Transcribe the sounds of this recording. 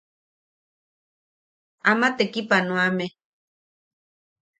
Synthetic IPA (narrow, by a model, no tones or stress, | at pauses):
amat̪ekipanõame